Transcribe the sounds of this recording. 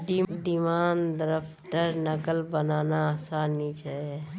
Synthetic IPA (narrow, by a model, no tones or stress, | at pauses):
d̪id̪imaːnd̪əɾəfʰʈəɾnəkəlbənaːnaaːsaːnit͡ʃae